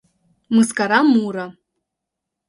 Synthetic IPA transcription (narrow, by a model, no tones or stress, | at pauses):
mɨskaɾamuɾa